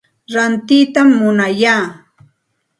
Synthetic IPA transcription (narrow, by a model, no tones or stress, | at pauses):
ɾant̪ɪt̪amːʊnajaː